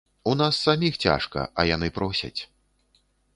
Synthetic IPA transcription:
unasːamʲixt͡sʲa̰ʂkɐ̰ɐjanɨpɾɔsʲɐ̰t͡sʲ

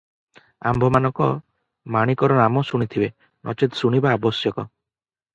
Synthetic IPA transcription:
a̰mbʱɔmanɔ̃ŋkɔ | maɽ̃ikɔɾɔnamɔsuɽ̃it̪ʰibe | nʔɔ̰t͡ʃet̪suɽ̃ibaːbɔsjɔkɔ

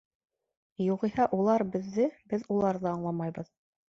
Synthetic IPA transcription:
juʁihɑʔulˠɑɾbɘ̆ðːɘbɘðulˠɑɾðɤɑɴlˠɑmɑjbɤð

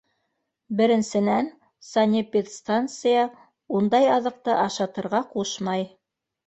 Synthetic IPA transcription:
bɘ̆ɾɘ̆nsɘ̆næn | sɐnʲipʲit̪st̪ant̪sɨjɑ | und̪ɑjɑðɤ̆q̚t̪ɤʔɑʃɑt̪ɤ̆ɾʁɑquʃmɑj

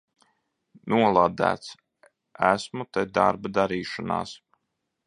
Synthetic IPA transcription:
nuɔlˠad̪æ̰ːt̪s | æsmut̪ɛd̪a̰ɾbad̪aɾiːʃana̰ːs

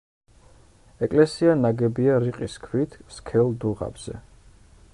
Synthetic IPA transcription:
ɛkʼlɛsianaɡɛbiaɾiqʼiskʰwit̪ʰskʰɛlˠd̪uʁa̰bz̥ɛ̰

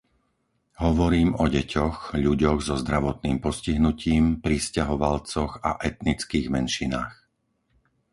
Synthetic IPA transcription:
ɦɔʋɔɾiːmɔɟɛcʰɔxʎuɟɔɣzɔzd̪ɾaʋɔt̪niːmpɔsciɦnuciːmpɾiscaɦɔʋalt͡sɔɣa̰ʔɛt̪nit͡skiːɣmɛnʃinaːx

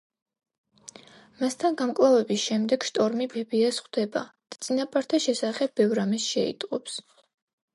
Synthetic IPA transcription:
mast̪ʰanɡamkʼlˠavɛbisʃɛmd̪ɛɡ̥ʃt̪ʼɔɾmibɛbiasχd̪ɛba̰d̪̥at̪sʼinapʼaɾt̪ʰaʃɛsaχɛb̚ːɛvɾamɛsʃɛḭt̪ʼqʼɔps

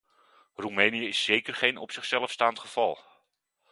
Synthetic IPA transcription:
rumenijəɪsːejkərχejnɔpsɪχsɛləfstaːntχəv̥ɑlˠ

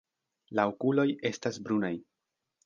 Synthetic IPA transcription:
laokulo̞je̞stasbɾunaj

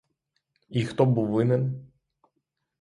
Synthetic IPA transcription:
ixt̪ɔbuʋɨnɛn

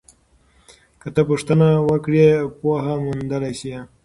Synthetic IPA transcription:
kət̪əpuʂt̪ənawəkɽepoɦamund̪əlajsi

